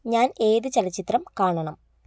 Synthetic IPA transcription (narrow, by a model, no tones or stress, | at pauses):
ɲaːne̞ːðɨt͡ɕɐlɐt͡ɕːit̪rɐmkaːɳɐɳɐm